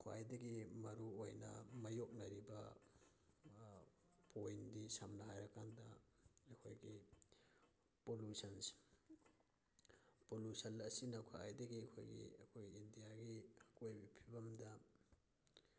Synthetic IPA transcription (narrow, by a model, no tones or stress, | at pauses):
kʰoa̰jdɐɡimɐɾuojnɐ̰mɐjok̚nɐɾibɐ | pojndisamnɐɦajɾɐkandɐɐkʰojɡi | polusɐns | polusɐnɐsinɐkʰoa̰jdɐɡiɐkʰo̰jɡḭɐkʰojɡiːndijaɡiɐkojbipʰibɐmdɐ